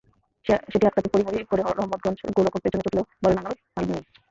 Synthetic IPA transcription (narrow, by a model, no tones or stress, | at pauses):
ʃeʃeʈiaʈ̚kat̪ipoɾimoɾikoɾeɾɔɦmːot̪̚ɡɔnd͡ʑʰɡolokoɾpet͡ɕʰonːet͡ɕoʈlobɔlenaŋabe | almini